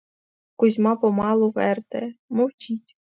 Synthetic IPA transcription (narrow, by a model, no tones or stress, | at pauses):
kʊzʲmɑpɔmɑlˠʊʋɛrt̪ɛmɔwt͡ʃitʲ